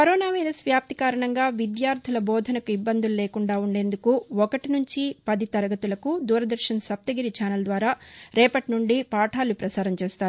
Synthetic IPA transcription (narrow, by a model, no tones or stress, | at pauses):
kɐɾɔːnaːʋɐjɾɐsʋjaːp̚t̪ikaːɾɐɳɐŋɡaːʋid̪jaːɾd̪ʰʱilɐbɔːd̪ʱɐnɐkuibːɐnd̪ululɛːkuɳɖaːuɳɖe̞ːnd̪ukuɔkɐʈinuɲt͡ʃipɐd̪it̪ɐɾɐɡɐt̪ulɐkud̪uːɾɐd̪ɐɾʃɐnɐsɐp̚t̪ɐɡiɾit͡ʃaːnɐld̪ʋaːɾaːɾɛːpɐʈnuɳɖipaːʈʰaːlupɾɐsaːɾɐmt͡ʃeːst̪aːɾu